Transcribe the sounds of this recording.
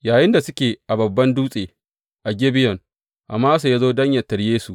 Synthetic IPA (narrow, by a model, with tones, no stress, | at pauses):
jaː˨jɪ˦nda˨sʊ˦kʲeː˨ʔa˨bɐ˨bːɐ˦nduː˦sʼeː˨ | ʔa˨ɡʲe˦bɪ˦jɔ˨n | ʔa̰˨mːaː˦su˨jaː˦zoː˦dɐ˦ɲjɐ˨tːɐ˨ɽjeː˦su˨ʔ